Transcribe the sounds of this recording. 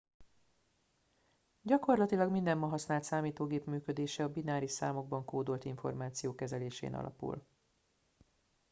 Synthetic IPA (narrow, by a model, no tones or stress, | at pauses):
ɟɒko̞rlɒt̪ilɒɡmind̪ɛmːɒɦɒsnaːlt̪saːmiːt̪oːɡeːpmyːkød̪eːʃɛɒbinaːɾiʃsaːmo̞ɡ̚bɒŋkoːd̪o̞lt̪iɱfo̞̰rmaːt̪sijoːkɛzɛleːʃḛːnɒ̰lʔɒ̰pṵl